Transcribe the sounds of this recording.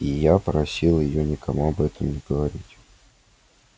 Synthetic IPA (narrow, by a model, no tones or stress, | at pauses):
ijapəɾɐsʲilˠjɪjonʲɪkʰɐmuɐbɛt̪əmnʲɪɡəvɐɾʲitʲ